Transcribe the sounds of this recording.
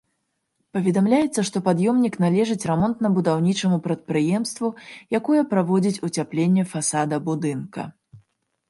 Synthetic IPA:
pɐvʲɛd̪amlʲajɛt̪sːɐʂt̪ɔpad̪jɔmnʲiknalʲɛʐɨt͡sʲrɛmɔnt̪nɐbud̪awnʲit͡ʂɐmupɾɐt̪̚pɾɨjɛmst̪vujakɔjɐpɾavɔd͡zʲit͡sʲut͡sʲaplʲenʲːɛfasad̪ɐbud̪ɨnkɐ̰

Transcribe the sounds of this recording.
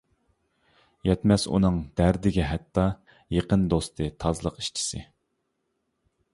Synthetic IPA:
jɛt̪mɛsṵnɨŋd̪æɾd̪ɪɡʲɛɦɛt̪ʰːɑ | jeqənd̪ost̪ʰɨt̪ʰɑzlˠəqiʃt͡ʃʰi̥sɪ̰

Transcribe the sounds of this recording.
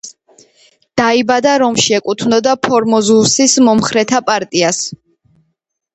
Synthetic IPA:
d̪̥aibad̪aɾɔmʃiɛkʼut̪ʰnɔd̪apʰɔɾmɔzusismɔmχɾɛt̪ʰapʼaɾt̪ʼias

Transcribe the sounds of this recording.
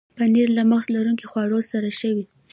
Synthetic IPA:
paniɾlaməxzlaɾuŋkixwɑɽosaɾaʃəwi

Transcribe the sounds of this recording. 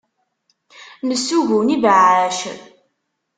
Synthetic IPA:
nəsːuʝunivʕæʃə̰

